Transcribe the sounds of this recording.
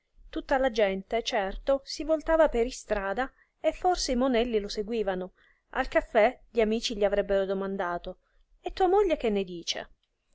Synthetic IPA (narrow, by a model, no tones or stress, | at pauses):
t̪ut̪ːalad͡ʒɛnt̪et͡ʃɛrt̪osivolt̪aːvapeɾist̪ɾaːd̪a | efːorseimonɛlːiloseɡwiːvano | a̰lkafːɛʎiamiːt͡ʃiʎiavɾɛbːeɾod̪omand̪aːt̪o | et̪ːuːamoʎːek̟enːed̪iːt͡ʃḛ